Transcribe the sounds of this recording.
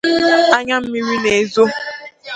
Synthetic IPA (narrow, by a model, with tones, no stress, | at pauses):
a˦ɲa˦m̩˦mi˦ɾi˦ne˨e˨zo˦